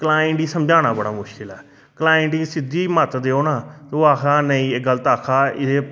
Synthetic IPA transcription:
kəlaːɪɳʈiːsəmd͡ʒaːnaːbəɽaːmʊʃkɪlɛː | kəlaːɪɳʈiːsɪd̪iːmət̪d̪eːoːnaːt̪oːaːkʰaːnəĩːeɡəlt̪aːkʰaːɪeː

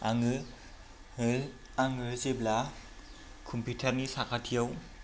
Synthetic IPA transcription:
aŋɯ | aŋɯzebla | kʰɔmpitʰaɾnisakʰatʰijaw

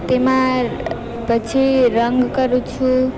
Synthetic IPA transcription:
t̪ema | bʌt͡sʰeɾʌŋɡkʌɾut͡sʰu

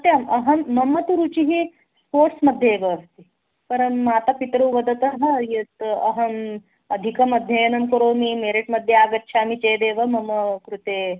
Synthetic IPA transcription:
t̪eɐmɐɦɐmːɐmːɐt̪uɾut͡ɕiɦi | poʈsməd̪ʱjeeʋəːst̪i | pɐɾənmaːt̪apit̪ɾɐʋɐd̪ət̪əɦɐjet̪ɐ̰ɦɐm | ɐd̪ʱikɐmɐd̪ʱjenɐmkəɾomimeɾiʈməd̪ʱjeaɡət̪ːɕʰamit͡ɕejd̪eʋəmɐmːəkɾut̪e

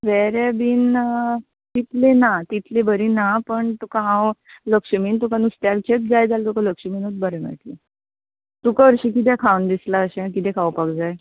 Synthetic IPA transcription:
ʋɛɾabiːn | t̪it̪lenat̪it̪lebəɾinapəɳt̪ukaɦãwləkʂəmiːnt̪ukanust̪jalt͡ɕet̪̚d͡zajd͡zalt̪ukaləkʂəmiːnɦot̪̚bəɾɛmə̰ʈle | t̪ukaəɾɕikit̪̬ɛkʰawnd̪islaəɕẽkit̪ɛkʰawpakd͡zaj

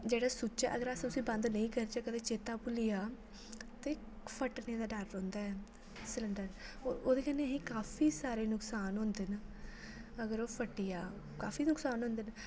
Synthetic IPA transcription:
d͡ʒeːɽaːsut͡ʃaʔəɡəɾast̪ʊsĩːbənd̪nəĩkəɾt͡ʃaːkəd̪eːt͡ʃeːt̪aːpʊlijaː | t̪eːk | pʰəʈneːd̪aːɖəɾːõːnd̪aːɛː | sɪləɳɖəɾoːoːd̪eːkəneɦĩːkaːfʰiːsaːɾeːnʊksaːnɦõːnd̪en | əɡəɾoːpʰəʈːijaː | kaːfiːnʊksaːnɦõːnd̪en

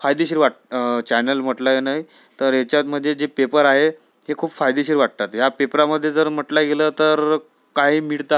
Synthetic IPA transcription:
fajd̪iɕiːɾʋaʈt͡ɕɛnəlm̤əʈləjenaɦi | t̪əɾjat͡ɕjat̪m̤əd̪ʱːjed͡ʑepepəɾaɦe | ɦekʰuːpfajd̪iɕiːɾʋaʈ̚t̪at̪ɦjapepɾaməd̪ʱːjed͡zəɾm̤əʈlaɡelət̪əɾ | kaɦiːmiɽt̪a

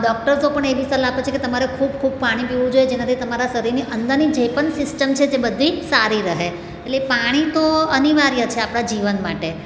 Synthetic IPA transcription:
ɖɔk̚ʈəɾzopəɳeʋist̪əlapjot͡ʃʰeket̪əmaɾekʰubkʰub̚paɽ̃ipiʋũd͡ʒojed͡ʒenãt̪ʰit̪əmaɾasəɾiɾniʔənd̪əɾnid͡ʒepəɳsɪsʈəmt͡ʃʰed͡ʒebəd̪ʱːisaɾiɾəɦe | elepaɽ̃it̪oəniʋaɾjət͡ʃʰeapɳad͡ʒiʋənmaʈe

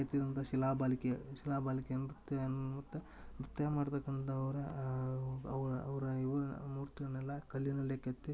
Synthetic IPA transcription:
et̪ːid̪ɐnt̪ʰɐʃilaːbaːlikeʃilaːbaːlikeɐnɾut̪ːjɐnmɐt̪ːu | mɾut̪ːɐjɐmaːɽt̪ɐkːɐɳd̪ɐɐʋɐɾɐ | ɐʋɐɐʋɐɾɐiʋɐɾmuːɾt̪iɡɐɽɐnɛlːɐkɐlːinɐlːeket̪ːi

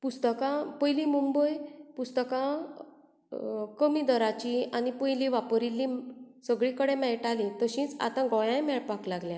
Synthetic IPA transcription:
pust̪əkãpəjlĩmumbəjpust̪əkã | kəmid̪əɾat͡ɕianipəjlĩʋapəɾilːĩsəɡɭĩkəɽẽmɛɭʈalĩt̪əɕĩːt͡sa̰t̪ãɡɔ̃jãjmɛɭpaklaɡljã

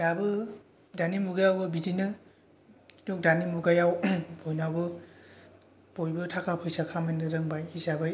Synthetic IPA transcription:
dabɯ | danimuɡajawbɯbidinɯ | ki̥tok̚danimuɡajawbɔjnabɯ | b̥ojbɯtʰakʰapʰɯjsakʰamajnɯɾɯŋbajisabɯj

